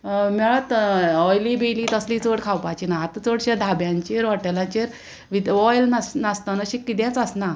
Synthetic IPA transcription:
mɛɭat̪ɔjlibeliːt̪əsliːt͡soɽkʰawpat͡ɕinaɦat̪ət͡soɽɕad̪ʱabjãɲt͡ɕeɾʋaʈelat͡ɕeɾ | ʋid̪ɔjlnasnast̪anəɕikːit̪jãt͡səsna

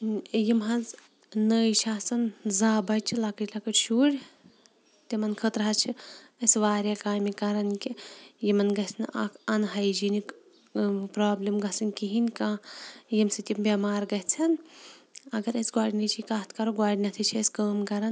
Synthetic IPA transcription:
jimɦɐz | nəːjt͡ʃʰaːsɐnzaːbɐt͡ʃʰilakət͡ʃʲlɐkəʈʃuːɾʲ | t̪imɐnkʰət̪ɾɐɦɐt͡ʃʰiɐsʋaːɾʲjakaːmikɐɾɐnkijimɐnɡɐɦsnʔa̰kʰɐnɦɐjd͡ʒinik | pɾaːblʲimɡɐsɐnʲkiɦinʲkãːjimsit̪ʲimbʲɐmaːɾɡɐɦt͡sʰɐn | ɐɡɐɾɐsɡwaːɽʲinɐt͡ʃʰikaːt̪ʰkɐɾoɡwaːɖʲinɐt̪ʰit͡ʃʰiɐsʲkəːmkɐɾɐn

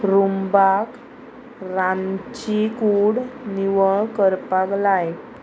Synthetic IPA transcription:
ɾumbak | ɾant͡ɕikuɽniʋəɭkəɾpaklaj

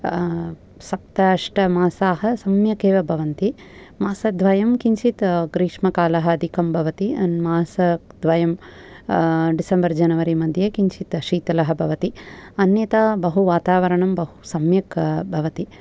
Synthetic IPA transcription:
sɐp̚t̪ɐʂʈɐmaːsaːɦɐsɐmjɐkeːʋɐbʱɐʋɐnt̪i | maːsɐd̪ʱʋɐjɐmkiɲt͡ʃit̪ɡɾiːʂmɐkaːlɐɦɐɐd̪ʱikʰɐmbʱɐʋɐt̪iɐnmaːsɐd̪ʋɐjɐm | ɖisɐmbɐɾd͡ʒɐnɐʋɐɾimɐd̪ʱjekiɲt͡ʃit̪ʃiːt̪ɐlɐɦɐ̆bʱɐʋɐt̪iɐnjɐt̪abɐɦuʋaːt̪aːʋɐɾɐɳɐmbɐɦusɐmjɐkbʱɐʋɐt̪i

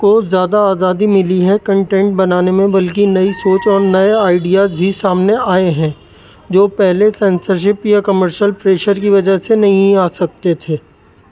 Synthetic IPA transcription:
kozjaːd̪aaːzaːd̪imɪliɦɛkɐ̃ɳʈɛ̃ːɳʈ̚bɐnaːnemẽbɐlk̬inɐisoːt͡ʃɔːɾnɐeaːɪɖijaːzbʱisaːmneaːeɦɛ̃ | d͡ʒoːpɛɦlesɛ̃ːnsəɾʃ̬ɪpjakɐməɾʃəlpɾeːʃəɾk̬iʋɐd͡ʒəɦsenɐɦĩaːsɐk̚t̪et̪ʰeː

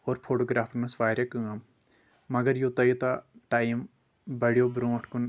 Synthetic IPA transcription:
oːɾpʰoːʈoːɡɾaːpʰnɐsʋaːɾjɐkɨŋɐm | mɐɡɐɾjot̪ɐjit̪aʈaːjim | bɐɽijobɾõːʈʰkun

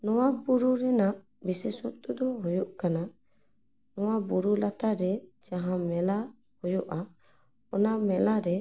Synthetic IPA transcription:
nɔwabuɾuɾɛna | bisɛsut̪ʼud̪ɔɦɔjuʔkana | nɔwabuɾulat̪aɾɛd͡ʒaɦãmɛla | hɔjɔʔa | ɔnamɛlaɾɛ

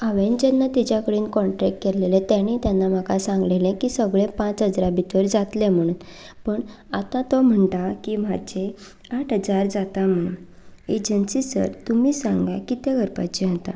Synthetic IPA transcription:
aʋend͡ʑenːat̪it͡ɕjakəɽiːnkɔɳʈɾɛk̚ʈ̚keɾlelẽt̪jañit̪janːam̤akasãŋɡlelẽkiːsəɡɭepãt͡sɦəd͡zɾabit̪ʋəɾd͡zat̪lem̤əɽ̃uːnpəɳ | at̪ãt̪ɔm̤əɳʈakiːm̤ad͡ʑe | aʈʰɦəd͡zaɾd͡zat̪am̤əɽ̃uːn | ed͡ʑənsisə̰ɾt̪umiːsaŋɡakit̪eɡʱəɾpa̰t͡ɕiɦət̪a

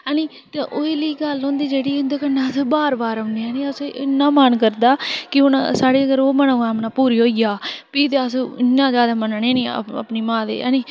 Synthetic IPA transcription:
aːniː | t̪eʔoːeːliːɡəlɦõːnd̪iːd͡ʒeːɽiːʊnd̪eːkənːãːsbaːɾbaːɾə̃nd̪iãːnĩːəseʔɪnːãːmankəɾd̪aːkɪʊnasaːɽeːəɡəɾoːmənãːɡaːmnaːpuːɾiːɦoːijaːpiːd̪easɪnːãːzjaːd̪aːmənənẽːnĩə̰pniːmãːd̪ḛːa̰niː

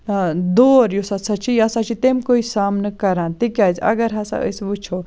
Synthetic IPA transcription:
d̪oːɾjusɐtsʰat͡ʃʰiɐsat͡ʃʰit̪emkoisaːmnɨkɐɾãːnt̪ikʲaːd͡ʒɐ̰ɡɐɾɦɐsa̰ʔə̰sʋut͡ʃʰo

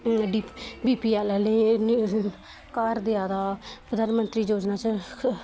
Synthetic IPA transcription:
ɖibiːpiːɛːlɛle | kaːɾd̪ɪaːd̪aːpəd̪aːnmənt̪ɾiːd͡ʒoːd͡ʒnaːt͡ʃə

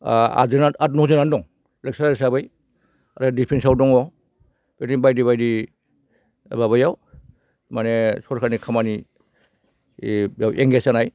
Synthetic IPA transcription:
a̰zɯnanat̚nɔzɯnandɔŋ | lek̚saɾɾesabɯj | aɾadipʰensawdɔŋɔ | petibajdiβajdi | babajaw | manesɔɾkʰanikʰamani | jawʔeŋɡesanaj

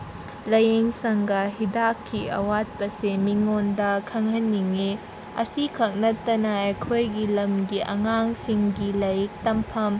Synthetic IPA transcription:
lɐjeŋsɐŋɡɐɦidakʰːiɐ̰wat̚pɐsemiŋondɐkʰɐŋɦɐnːiŋe | ɐ̰sikʰɐk̚nɐtːɐnɐɐjkʰojɡilɐmɡiʔɐ̰ŋaŋsiŋɡilɐjik̚tɐmpʰɐm

